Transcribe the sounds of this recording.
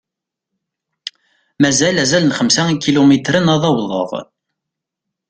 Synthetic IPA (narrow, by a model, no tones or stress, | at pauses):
mæzælæzælənχəmsæikːilumit̪ɾənɑðˤɑwðˤə̰ʁ